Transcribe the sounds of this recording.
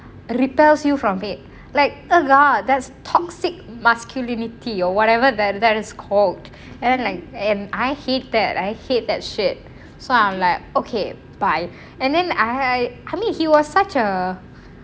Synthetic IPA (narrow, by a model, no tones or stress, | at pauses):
ɹipɛlsjufɹɔ̃mɪt̚ | laɪk̚oɡɔd̪ɛtstʰɔksɪk̚maskʰjulĩnitʰiɔwɔɾɛvədɛt̚d̪ɛtɪskʰɔld | ɛ̃ndɛ̃nlaɪk̚ɛ̃naɪhet̚d̪ɛt̚aɪhet̚d̪ɛt̚ʃɪt̚ | soãmlaɪk̚okʰe | b̥aɪ | ɛ̃ndɛ̃naaɪʔajmĩnhiwɔssat͡ʃə